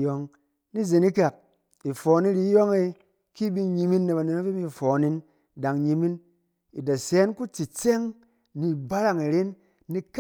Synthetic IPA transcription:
jo˧ŋ | ni˦ze˨ni˦ka˨k̚ | i˨fɔː˨ni˦ɾi˧˦jɔ˦ŋe˧ | ki˦bi˦ɲi˧mi˦nːe˨βa˨ne˨na˦fi˦mi˦˨fɔː˨ni˦n | da˨ŋɲi˧mi˦n | i˨da˨sɛː˨˦nku˦t͡si˨t͡se˦ŋ | ni˨ba˦ɾa˦ŋi˨ɾe˦nː | i˧k

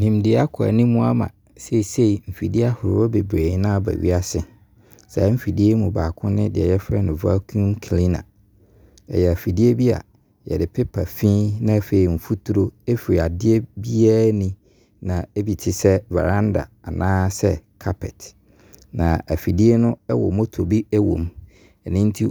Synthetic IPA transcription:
nĩ˨mdɪ˦a˦kʰa̰˨nĩ˦mũ˦a˦mã̰˨ | se˦i˨se˦i˨m̩˨fi˨di˦a˦hʊ˨ɾɪ˦wɔ˦be˨bɾe˨˦nã˦˨bæ̰˨ɥḭ˦a˦sɪ˨ | sa˨˦m̩˦fi˨di˦e˦mũ˨baː˨kʰʊ̃˦nɪ̃˦dɪ˨ɛ̰˨jɛ˦fɾɛ˦nʊ̃˨va˦kʰũ˦mkʰlĩ˦nã̰˨ | ɛ̰˨jɛ˨æ˨fi˨di˦e˦bi˦a̰˨ | jɛ̰˨dɪ˨pʰɪ˦pʰa˨fĩː˦nã˦˨fe˨i˨m̩˨fu˦tʰu˦ɾo˦e˦fi˨ɾi˨a˨dɪ˦e˦bi˦a˦nĩ˨ | nã˨e˦bi˨tʰɪ˨sɛ˦va̰˨ɾã˦nda̰˨a˨nãː˦sɛ˦kʰa˦pʰɛ˨t | nã˨æ˨fi˨di˦e˦nʊ̃˦ɛ˦wɔ̰˨mo˦tʰo˨bi˦ɛ˦wõ̰˨m | ɛ˨nɪ̃˦n̩˦tʰi˦

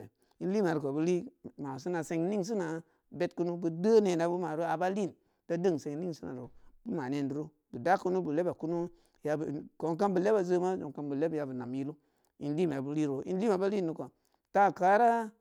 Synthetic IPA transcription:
i˦n˦li˦ma˨ɾu˨ko˨bu˦li˦ma˨s̬i˦na˨se˧ŋ˦ni˦ŋs̬i˦na˨ | be˦tku˦nu˦bu˨də˦ne˨na˨bu˦ma˨ɾo˦a˨ba˦li˦˨n | d̥a˦də˦˨ŋ˨se˨ŋ˨ni˦ŋsi˦na̰˨ɾu˨b̥u˦ma˨ne˦ndu˨ɾu˦ | bu˨da˦ku˦nu˦bu˨le˦ba˨ku˦nu˦ | ja˧bko˨˦ŋka˦nbə˨le˦ba˨zə˦ma˦zo˨ŋka˦nbu˨le˦bja˨bɨ˨na˨mji˦lu˦ | i˦nli˦m˨a˨bu˦li˦˨ɾo˨˦ḭ˦nli˦ma˨ba˦li˦˨nːu˦ko˨ | ta˦˨ka˨˦ɾa˦

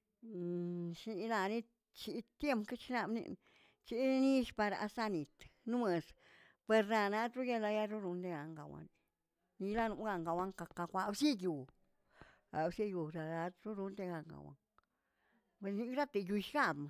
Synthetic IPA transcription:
ʃni˧la˧ni˦ | t͡ʃi˧t̪je˦mpke˦t͡ʃi˧na˧bnḭ˧n | t͡ʃi˧˦ni˦ʃpa˧ɾa̰˧˨sa˦˧ni˨t̪nu˦me˧˨s | pe˧ɾna˧na˧t̪ɾu˦ja˧la˧ja˦ɾu˦ɾu˧nd̪e˧ɡa˨ŋɡa˨wa̰˧n˨ | ni˧la˦nu˧˦ɡa˧ŋɡa˨wa˧˦ŋka˧ka˧kʷa˧bsi˦ɡu˨ | a˨bsi˦ju˧ɾa˨la˧ɾu˦ɾu˧nd̪e˧ɡa˧ŋɡa̰˨wa̰˧ŋ | be˧ni˦˧kɾa˦t̪e˨ju˧ʃɡa˦bma˨

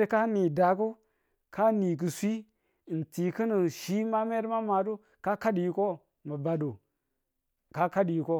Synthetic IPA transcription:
ɾka˦ni˨da˨k̬u˦ | kʰa˦ni˨k̬ə˨sʷi˦˨ | n̩˨ti˨kə˦nə˨ʃi˦ma˦me˦ɾma˦ma˨du˦ | ka˦ka˦dji˨ko˦ | mə˨ba˨do˨ | ka˦ka˦dji˨ko˦

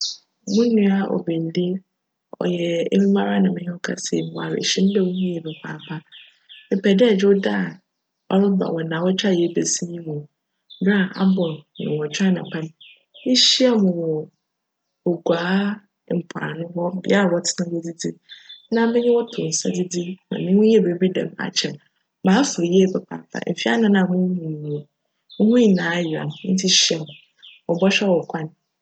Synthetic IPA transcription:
mũ˦n˦nĩ˦a˨ʔɔ̰˨be˨n̩˨li˦e˦ | ɔ̰˨jɛ˨ḛ˦mũ˦mã˦ɾa˦nã˨mɪ̃˦ɲɪ̃˦wɔ˦kʰa̰˦sḛ˨wa˨ɾ̰ɕɪ̃˦n̩˦dɛ˦wu˦hĩ˦ɛ˨bɪ˨pʰa̰ː˨pʰa˦ | ɪ˨pɛ˨dɛ˦˨d͡ʑᶣɪ˦ʊ˦da˦˨ | ɔ̰˦ɾʊ˦ba̰˨wɔ˨nã˨wɔ˦t͡ɕᶣa˦˨jɛ˨˦be˨si˦ɲĩ˦mʊ̃˨˦ | ba˦˨a̰˦bɔ˨nʊ̰̃˨wɔ˨t͡ɕᶣa˦nã˨pʰã˦n˨ | i˦ɕi˦a˦mʊ̃˨wɔ˨ | o˨ɡʷaː˨˦˨ | m̩˨pʰɾa̰˨nʊ̃˦hɔ˦ɛ˦a˨wɔ˦tʰɪ̥˦nã˦we˦d͡zi˦d͡zi˦nã˨˦mɛ˦ɲɪ̃˦wɔ˦tʰʊ˨n̩˨sa̰˦d͡zi˦di˦nã̰˨nɪ̃˦ʊ̃˦ɛ˦bi˨˦bi˦dã̰˨ma̰˨t͡ɕʰɛ˨ | mãː˨˦fʊ˨jɛ˦˨pʰɛ˨pʰa̰˨tʰa̰˨m̩˨fi˦a̰˦nã˦nã˨mʊ̃˦mĩ˨ñ˨o˨˦ | hʊ̃˦i˨nãː˨˦jɪ˨a̰˨n̩˦tʰi˦ɕi˦a˨mʊ̃˨ | wɔ˨bɔ˦ɕᶣɛ˦wɔ˨kʷʰa˦ñ˨˦

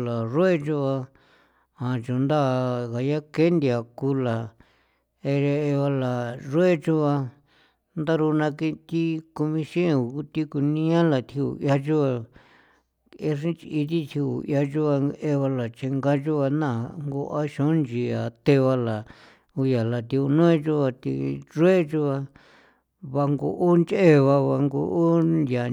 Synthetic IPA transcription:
la˨ʐo˦e˦t͡ʃu˧βa˧ | ã˨t͡ʃõ˨˧nd̪a˦˨ɣa˨ja˦ke˦nd̪ʲa˨ku˧˦la˨ | e˧e˧e˧βa˧la˨ʐo˦e˦t͡ʃu˦βa˧ | nd̪a˦ɾu˧nã˧ki˧t̪i˦ku˧mĩ˧ʃĩ˦ẽ˧u˨ku˦t̪i˦ku˧nĩ˦ã˦la˨t̪ʰi˧ṵ˨ja˧t͡ʃu˦βa˧ | e˧ʂĩ˦t͡ʃi˧i˧t̪̬i˦t̪ʰi˧ṵ˨ja˧t͡ʃu˦βa˧e˦βa˧la˨t͡ʃe˧ŋɡa˦t͡ʃu˦βa˧nã˦˨ŋɡu˧ʔa˦ʃõ˨˦nd͡ʒi˧a˨t̪e˧βa˧la˨ | u˧ja˨la˧t̪i˧u˧nõ˦ẽ˦t͡ʃu˧βa˧t̪ḭ˧ʐe˦t͡ʃu˧βa˧ | βa˧ŋɡo̰˧ʔu˦nt͡ʃe˦βa˧βa˧ŋɡo˧ʔu˦nja˨

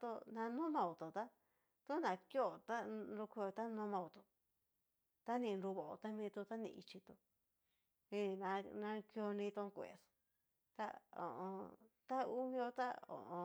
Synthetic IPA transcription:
t̪u˧nã˧nũ˦mã˧u˨t̪u˨t̪a˦ | t̪u˦nã˨˧kjo˦˧˨t̪a˦nɾu˧ke˧t̪a˦nũ˦mã˧u˨˧t̪u˧ | t̪a˦nĩ˧nɾu˧βo˨o˧t̪a˦mĩː˧t̪u˧t̪a˦nḭ̃˧i˧t͡ʃi˧t̪u˧ | ĩ˧nã˧nã˧ko˧nĩ˧t̪u˧kʷḛ˨s | t̪a̰˦o̰˨ʔõ˧t̪a˦u˦mĩ˧o˧t̪a̰˦o̰˨ʔõ˧

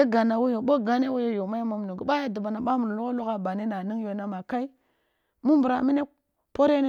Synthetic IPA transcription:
e˦ɡa˨na˨wo˦jo˨ɓo˦ɡa˦ne˦wo˦jo˦jo˨ma˦jmo˨m˨nu˨ɡu˨ɓa˦ja˦du˨ba˨na˨ɓa˦mu˨ɾlu˦ko˦lu˦ka˦ba˨ni˦na˨ni˦ŋ˦jo˨na˦ma˨ka˦i˦ | mu˦mbu˨ɾa˨mi˦ne˦ | po˦ɾe˦n˦

